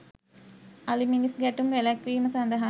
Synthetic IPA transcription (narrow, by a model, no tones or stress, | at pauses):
aliminisɡæʈumʋelækʋiːməsɐnd̪əɦa